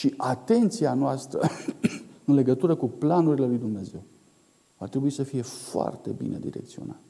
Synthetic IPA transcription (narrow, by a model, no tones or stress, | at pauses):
ʃiʔat̪e̞nt̪sianoast̪ɾə̰ | ɨnle̞ɡət̪uɾəkuplanuɾile̞lujd̪umne̞ze̞w | vat̪ɾebuisəfije̞foa̰rt̪e̞̰bḭnḛd̪ḭɾe̞̰k̚t̪sio̞̰na̰t̪ə